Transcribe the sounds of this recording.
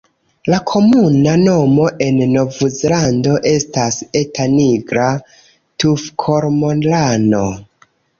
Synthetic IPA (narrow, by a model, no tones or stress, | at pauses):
lakʰo̞munano̞mo̞ʔe̞nːo̞vuzlando̞ʔe̞stase̞taniɡɾa | tufkʰo̞ɾmo̞nlano̞